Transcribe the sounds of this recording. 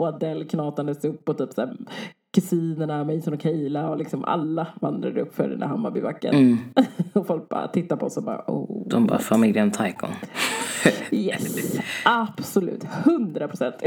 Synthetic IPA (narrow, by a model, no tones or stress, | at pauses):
ad̪ɛlːkʰnɑːt̪and̪əsɵpːɔt̪ʰyːpsæː | kʰɵsiːnəɳamɛjsɔnɔkʰɛlaɔlɪksɔma̰lːavand̪ɾad̪əɵpːfœ̰ɾ̰nd̪æ̰hamːabɪvakːə̰n | ɔfɔlk̚b̥ɑ̰ːɾa̰t̪ʰɪt̪ːaɾpʰɔɔsɔbɑ̰ːɾa̰ʔo̰d̪ɔmbɑ̰ːfamɪljənt̪ʰajkɔ̰ŋ | jɛsab̥sʊlʉ̟ːt̪hɵnd̪ɾapʰɾʊsɛnt̪